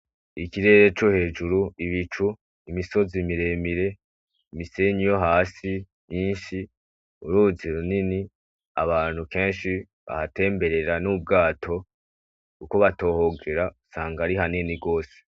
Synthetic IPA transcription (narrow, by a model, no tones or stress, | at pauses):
ikiɾe̞ːɾe̞t͡ʃohe̞ːd͡ʒuɾuiβit͡ʃu | imiso̞zimiɾe̞ːmiɾe̞ | imise̞ɲijo̞ɦaːsi | ɲiːnʃi | uɾuziɾunini | a̰βaːn̥huke̞ːnʃi | βa̰hate̞ːmbe̞ɾe̞ɾanub̚ɡaːtʰo̞ | uko̞βato̞ːho̞ɡe̞ɾausaːŋɡaɾiɦaneniɡo̞ːse̥